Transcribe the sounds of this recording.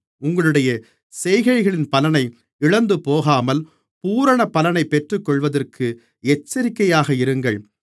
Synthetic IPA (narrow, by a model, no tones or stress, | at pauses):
ʊŋɡɐɭɯɽɐjɐ | sɛjɪɣɐɻɣɐɭɪnpɐlɐnɐɪ | ɪɻɐnd̪ɯpoːɣaːmɐl | puːɾɐɳɐpːɐlɐnɐɪpːɛʈrɯkːɔɭʋɐðɐrkʰɯ | ɛt͡ʃːɐɾɪkːɐjaːɣɐɪɾɯŋɡɐɭ